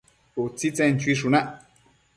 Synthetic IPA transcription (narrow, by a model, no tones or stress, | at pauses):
ut͡sit͡sent͡ʃiʂ̬unaʔ